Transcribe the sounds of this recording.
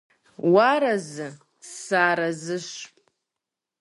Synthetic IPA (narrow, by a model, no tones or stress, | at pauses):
waɾɐzɨ | saːɾɐzɨʃ